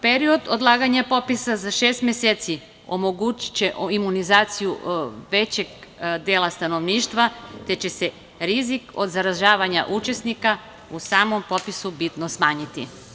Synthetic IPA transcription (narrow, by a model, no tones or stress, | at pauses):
peɾio̞d̪od̪lˠaːɡaɲapo̞pisazaʃeːst̪mʲjeseːt̪si | o̞̰mo̞ɡut͡ɕi̥t͡ɕe̞ʔimunizaːt̪sijuʋe̞t͡ɕe̞ɡd̪eːlˠast̪ano̞ʋniːʃt̪ʋat̪e̞t͡ɕe̞se̞ | ɾiziko̞d̪zaɾaʒaːʋaɲa̰ʔut͡ʃe̞snika | usaːmo̞mpo̞pisubit̪nosmaːɲit̪ḭ